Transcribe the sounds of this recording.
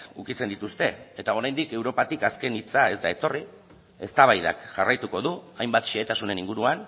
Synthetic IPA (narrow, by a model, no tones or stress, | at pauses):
ukit͡se̞nd̪it̪ust̪e̞et̪ao̞ɾajnd̪ike̞wɾo̞pat̪ikaske̞nit͡sae̞zd̪ae̞t̪o̞ri | e̞st̪aβajða̰kʝarajt̪uko̞ðuajmbat̪ʃeet̪asune̞niŋɡuɾuan